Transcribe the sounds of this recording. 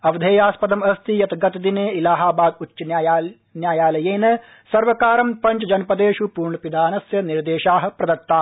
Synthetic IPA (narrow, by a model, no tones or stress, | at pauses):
ɐʋɐd̪ʱeːjaːspɐd̪ɐmɐst̪ʰijɐt̪ɐɡɐt̪ɐd̪ineːilaːɦaːbaːd̪utʃɐnːj | njaːjaːlɐjeːnɐ | sɐɾʋɐkaːɾɐmpɐt͡ʃɐd͡ʒɐnpɐd̪eːʃupuːɾɳɐpid̪ʱaːnɐsjɐniɾd̪eːʃaːɦɐ̆pɾɐd̪ɐt̪ːaː